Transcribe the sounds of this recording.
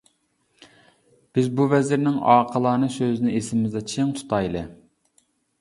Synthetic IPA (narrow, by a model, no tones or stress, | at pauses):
b̥ɪzbuvɛzɪɾnɪŋɑːqʰəlˠɑːnɨsøzɪnɪesɪmɪmɪzd̪ɑt͡ʃʰeŋt̪ʰu̥t̪ʰɑjlˠɨ̰